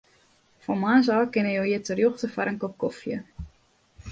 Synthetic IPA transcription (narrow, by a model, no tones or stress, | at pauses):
fɔmaːs̬aːkɪnəjowiətərjoxtəfaɾəŋkop̚kɔfjə̰